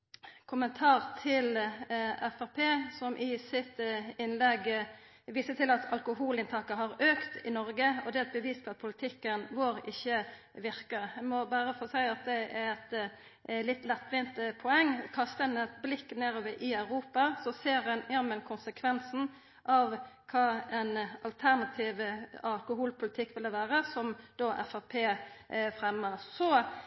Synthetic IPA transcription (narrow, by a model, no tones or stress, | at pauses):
kʰʊmənt̪ʰɑːʁt̪ʰɪlʔɛfæʁpʰeːsɔmʔɪsɪt̪ɪnlɛɡ | ʋiːsət̪ʰɪlɑt̪ʰɑ̰lkʊɦuːlɪnt̪ʰɑːkəɦɑʁøːkt̪ɪnɔɾɡəɔd̪ɛæɾɛt̪̚bəʋiːspʰɔɑt̪̚pʰʊlɪt̪ʰɪkːənʋoːɾɪçːə | ʋɪʁkəɛmɔbæːʁəfoːsæɪɑt̪̚d̪ɛɛʁɛt̪ | lɪt̪ːlɛt̪ːʁɪːnt̪pʰɔɛŋːkʰɑst̪əɛnɛt̪blɪkːneːɾoːʋəʔɪɑʉɾuːpɑsɔseːɾhɛnjæmɛnkʰʊnsəkʰʋɛnsn̩ | ʔɑʋkʰɑːɛnɑlt̪ʰæʁnɑt̪ʰiːʋəɑlkʊɦuːlpʰʊlɪt̪ʰɪkːʋɪld̪əʋæːʁəsɔmd̪̥oːʔæ̰fɑpʰeːfʁɛmːəʁsɔ